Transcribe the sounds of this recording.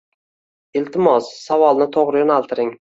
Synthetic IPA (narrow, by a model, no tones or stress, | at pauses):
ɪlt̪ʰɪmɒssavɒlˠnɪt̪ʰoʁɾɪjɒnalˠt̪ʰɪɾɪŋ